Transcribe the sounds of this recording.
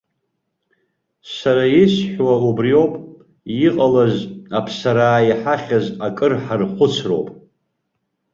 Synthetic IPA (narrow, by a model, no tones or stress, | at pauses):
saɾajɪsħʷwaubrio̞wpʼ | jɪqʼalazapʰsaɾaːjiħaχʲazakʼɨrħarχʷʊt͡sʰro̞̰wpʼ